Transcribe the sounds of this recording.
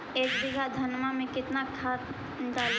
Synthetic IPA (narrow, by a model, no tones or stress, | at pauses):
eːkbɪɡʱad̪ʱɐnmamẽkɪt̪nakʰaːt̪ | ɖaːl